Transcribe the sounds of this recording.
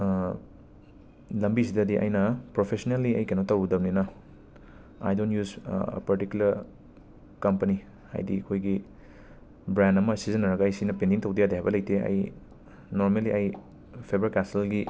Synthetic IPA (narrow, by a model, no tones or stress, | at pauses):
lɐmbisidɐdiʔɐ̰jnɐpɾopʰesonelːiɐjkenowtɐwdɐmninɐ | a̰jdontjuz̰pɐɾtikjulɐɾ | kɐmpɐni | ha̰jdiɐkʰojɡi | bɾandɐmɐsizɐnːɐɾɐɡɐɐjsinɐpendiŋtɐwdijadeɦajbɐlɐjteɐ̰j | noɾmeliʔɐj | pʰebɾkaselɡi